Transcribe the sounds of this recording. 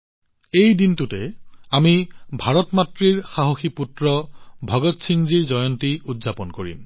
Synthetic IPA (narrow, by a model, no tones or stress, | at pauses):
ejdintutɛamibʱaɹɔtmatɹiɹxaɦoxiputɹɔbʱɔɡɔtsʰiŋziɹzɔjɔntiudzapɔnkoɹḭm